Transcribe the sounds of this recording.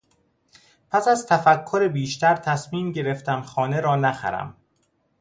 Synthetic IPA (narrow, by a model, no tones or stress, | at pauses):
pʰæsæzt̪ʰæfækʰːo̞ɾebiːʃt̪ʰæɾt̪ʰæsmiːmɟe̞ɾe̞ft̪ʰæmxɒːne̞ɾɒːnæxæ̰ɾæ̰m